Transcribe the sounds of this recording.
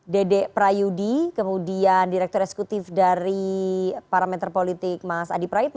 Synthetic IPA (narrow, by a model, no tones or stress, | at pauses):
dedɛpɾajudikəmudiandiɾɛk̚t̪ɔɾɛkse̥kut̪ɪfdaɾipaɾamɛt̪rpolit̪ɪk̚masa̰dipɾaɪt̪̚